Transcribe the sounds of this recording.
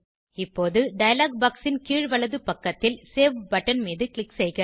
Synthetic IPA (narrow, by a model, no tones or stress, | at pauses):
ɪpːoːðɯɖɐjɐlaːɡ̚baːksɪnkiːɻʋɐɭɐðɯpɐkːɐt̪ːɪlseːʋbɐʈːɐnmiːðɯkɭɪksɛjɣɐ